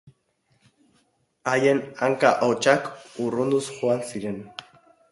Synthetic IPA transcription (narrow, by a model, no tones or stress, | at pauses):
aje̞naŋkaʔot͡ʃakurund̪usʝoansiɾe̞n